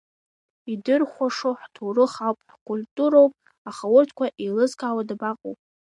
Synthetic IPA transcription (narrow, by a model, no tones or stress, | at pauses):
idɨrχʷaʂoħtʰurɨχawpʼħkʷʼʊltʼuɾowpʼ | aχawʊrtʰkʷaʔelɨzkʰʼawadabaqʼowpʼ